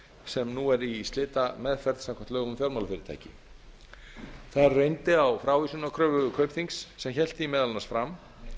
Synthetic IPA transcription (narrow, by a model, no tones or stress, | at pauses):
sɛmnuɛɾist̪ɪːt̪amɛðfɛɾðsamkʰam̥t̪œːɣʏmfjɔɾmawlfɪɾɪɾt̪a̰jcɪ | θaðɾrejnt̪ɪawfɾaːwvisunakʰɾœːvʏʏkʰœɥpθiŋksːɛmçɛl̥t̪ɪimɛːðalnasfɾam